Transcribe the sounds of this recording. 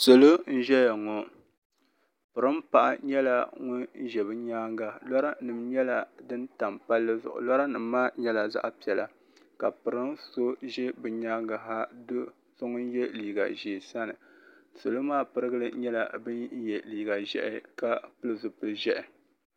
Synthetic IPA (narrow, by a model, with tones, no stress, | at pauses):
so˨lo˦n̩˦ʒɛ˦ja˨ŋɔ˨ | pɨ˨ɾɨ˦mpa˨ʔa̰˨ɲɛ˦la˨ŋʊ˦n˦ʒɛ˨bɨ˦ɲaː˦ŋɡa˨lɔ˦ɾa˦nɨ˨mɲɛ˦la˨dɨ˦nta˨mpa˦lːɨ˦zʊ̰˨ʔʊ̰˨lɔ˦ɾa˦nɨ˨mː˦aː˦ɲɛ˦la˨za̰˦ʔpi˨ɛ˨la˨ | ka˨pɨ˨ɾɨ˦nso˦ʒɛ˦bɨ˨ɲaː˦ŋɡa˨ɦa˦do˦ | so˦ŋʊ˦n˦jɛ˦liː˨ɡa̰˨ʒe˨sa˦nɨ˨so˨lo˦maː˦pɨ˦ɾɨ˦ɡɨ˦lɨ˦ɲɛ˦la˨bɨ˦n˦jɛ˨liː˨ɡa˨ʒɛ̰˦ʔɪ˦ka˦pɨ˦lɨ˦zʊ˨pɨ˨lʒɛ˦ʔɛ˨